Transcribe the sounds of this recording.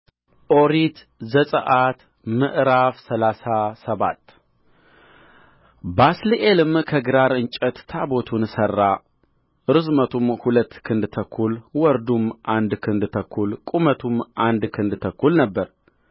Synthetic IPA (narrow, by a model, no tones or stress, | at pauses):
ʔoɾit̪ | zəsʼə̰ʔat̪ | mɨʔɾafsəlasasəβa̰t̪ː | basliʔelɨmkʰəɡɨɾaɾɨnt͡ʃʼət̪t̪ʰabo̞t̪ʰunsərːa | ɨɾɨzmət̪ʰumhulət̪ːkʰɨnd̪t̪ʰəkʰːulwɔɾd̪umʔand̪kʰɨnd̪t̪ʰəkʰːulkʼumət̪ʰumʔand̪kʰɨnd̪t̪ʰəkʰːulnəbːəɾ